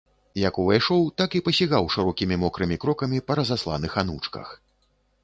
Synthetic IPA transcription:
jɐkuvajʂɔwt̪akipɐsʲiɣawʂɨɾɔkʲimʲimɔkɾɨmʲikɾɔkɐmʲipɐɾɐzaslˠa̰nɨxanut͡ʂkɐ̰x

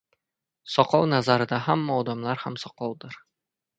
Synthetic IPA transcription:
sɒqɑwnazaɾɤ̆d̪aɦamːaɒd̪amlˠɑɾhamsɒqɒwd̪ɤɾ

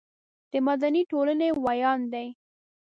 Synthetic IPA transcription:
d̪̥əmad̪aniʈolənewajɑnd̪aj

